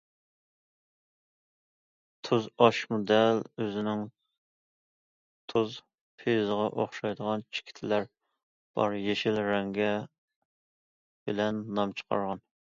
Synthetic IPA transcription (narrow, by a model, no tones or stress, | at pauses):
t̪ʰuzɑʃmod̪ɛløzɪnɪŋ | t̪ʰuz | pʰezəʁɑʔoχʃɑjd̪əʁɑnt͡ʃʰi̥kʲʰi̥t̪ʰɪlæɾ | b̥ɑ̰ɾjeʃilɾɛŋɡʲɛ | b̥ɪlɛnːɑmt͡ʃʰə̥qʰɑ̰ɾʁɑn